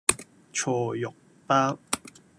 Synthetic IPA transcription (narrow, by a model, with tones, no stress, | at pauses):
t͡ʃʰoː˧˩jʊ˨k̚ | paː˥w